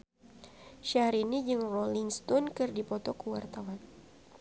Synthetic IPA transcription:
ʃahɾinid͡ʒɨŋrɔliŋst̪ɔnkɨrdipɔt̪ɔkuwart̪awan

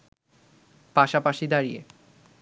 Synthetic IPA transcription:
paʃapaʃid̪aɾijḛ

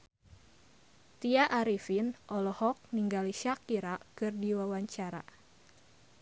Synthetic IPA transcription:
t̪iaʔaɾifinʔɔlɔhɔk̚niŋɡaliʃakiɾakɨrdiwawaɲt͡ʃaɾa̰

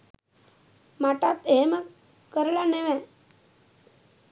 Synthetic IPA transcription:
maʈat̪ɦemə | kəɾlaneʋɛ̃

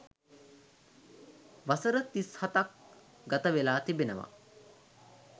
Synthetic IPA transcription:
ʋasəɾət̪ishat̪ak̚ | ɡat̪əʋelaːt̪ibenəʋa̰

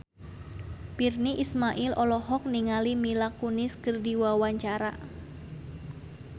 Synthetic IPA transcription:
pirniʔismaʔɪlʔɔlɔɦɔk̚niŋalimilakunɪskərdiwawaɲt͡ʃaɾa̰

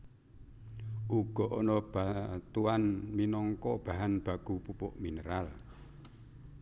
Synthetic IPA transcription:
ʔuɡ̥ɔ̤ʔɔnɔb̥at̪uanminɔŋkɔb̥a̤ɦanb̥a̤ɡ̥upupʊʔminəɾal

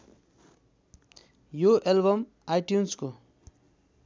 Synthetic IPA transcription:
joʔelbʌm | ajʈjunsko

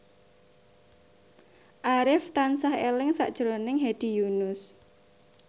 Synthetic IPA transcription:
ʔaɾɪft̪ansahelɪŋsa̰ʔd̥ʒ̥ɾonɪŋɦed̪̥i̤junʊs

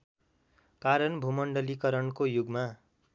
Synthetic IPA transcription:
kaɾʌnbʱumʌɳɖʌlikʌɾʌnkojuɡma

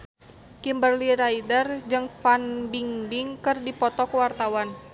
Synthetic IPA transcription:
kimbərliraidərd͡ʒɨŋfanbiŋbiŋkɨrdipɔt̪ɔkəwart̪awan

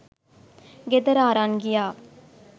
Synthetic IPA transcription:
ɡed̪əɾaːɾanɡijaː

